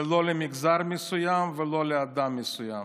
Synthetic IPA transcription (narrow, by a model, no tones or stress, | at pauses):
lo̞lemiɡzaɾmesujamvelo̞lead̪amːesujam